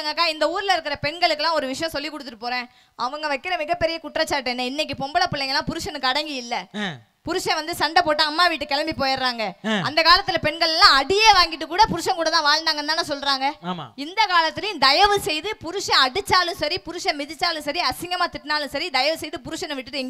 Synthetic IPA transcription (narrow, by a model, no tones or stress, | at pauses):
ŋɡɐkːaːɪnd̪ɐuːɾɪlɐɪɾɯk̬ːɯɾɐpɛɳɡɐɭɯkːɐlːãːɔɾɯʋɪʂɐjɐ̃sɔlːik̬ːɔɽɯt̪ːɯʈːɯpːoːɾẽː | ɐʋɐŋɡɐʋɐɪkːɪɾɐmɪɣɐpːɛɾɪjɐkʊʈːɾɐt͡ʃːaːʈ̬ːɯɛnːɐɪnːɛk̬ːɯpɔmbɐlɐpɪlːɛŋɡɐlːãːpʊɾɯʂɐnɯkːɯɐɽɐŋɡiɪlːɐ | pʊɾʊʂɐ̃ʋɐnd̪ɯsɐɳɖɐpoːʈːɯɐmːaːʋiːʈːɯkɛɭɐmbipoːjɪɾɾaːŋɡɐɐ̰nd̪ɐkaːlɐt̪ːɯlɐpɛɳɡɐɭɛlːãːɐɽɪjeːʋaːŋɡɪʈːɯkːuːɽɐpʊɾʊʂɐ̃kuːɽɐt̪ãːʋaːɻɳɖaːŋɡɐnd̪aːnːaːsɔlːɾaːŋɡɐma̰ɪnd̪ɐkaːlɐt̪ːɪlɐjʊ̃d̪ɐjɐʋɯsɛjðɯpʊɾʊʂɐ̃ɐɽɯt͡ʃːaːlɯ̃sɐɾipʊɾʊʂɐ̃mɪðɪt͡ʃːaːlɯ̃sɐɾiɐsɪŋɡɐmaːt̪ɪʈːnaːlɯ̃sɐɾid̪ɐjɐʋɯsɛjðɯpʊɾʊʂɐnɯ̃ʋɪʈːɯʈɯŋɡ